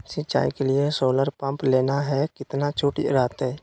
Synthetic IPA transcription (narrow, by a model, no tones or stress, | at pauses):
sɪt͡ʃːa̰ːikelɪesoːləɾpə̃mpleːnaɦɛkɪt̪nat͡ʃʰuːʈḭɾaːt̪ɦɛː